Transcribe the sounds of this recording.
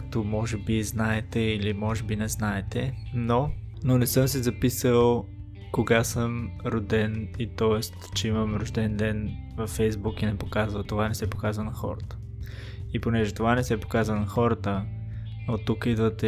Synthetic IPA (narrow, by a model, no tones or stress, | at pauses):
k̚t̪omɔʒɛbiznaɛt̪ɛilimɔʒɛbinɛznaɛt̪ɛno | nonɛsɤmsizɐpisəlˠ | koɡasəmɾod̪ɛnit̪ɔɛst̪t͡ʃɛiməmɾoʒd̪ɛnd̪ɛnvɐfɛjzbukinɛpokazvət̪ovanɛsɛpokazvənɐxɔ̰ɾət̪ə̥ | iponɛʒɛt̪ovanɛsɛpo̥kazvənɐxɔɾət̪ə | not̪ukid̪vət̪ɛ